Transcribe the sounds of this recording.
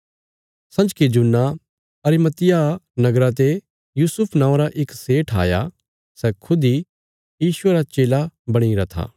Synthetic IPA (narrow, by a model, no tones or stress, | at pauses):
sɐ̃d͡ʒkid͡ʒʊnːa | ɐɾimɐt̪ɪjanɐɡɾat̪̬e | juːsʊpʰnãːõɾaʔɪkseːʈʰa̰ːja̰ | sɛkʰʊd̪i | jiːsʊeɾat͡ʃeːlabɐɽ̃iɾɐt̪ʰa̰ː